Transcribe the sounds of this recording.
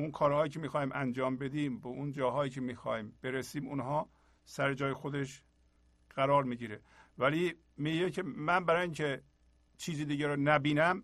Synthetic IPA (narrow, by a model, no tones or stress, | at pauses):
unkʰɒːɾhɒːjiːcʲʰemiːxɒːhiːmʔænd͡ʒɒːmbe̞d̪iːmbeʔund͡ʒɒːɦɒːjiːcʰemiːxɒ̰ːhiːmb̥e̞ɾesiːmṵnɦɒː | sæɾed͡ʒɒːjexod̪eʃ | ɣ̥æɾɒːɾmiːɡiːɾe | væli | miɟecʰemænbæɾɒːjiːŋcʰe | t͡ʃʰiːzid̪iːɡæɾonæbiːnæm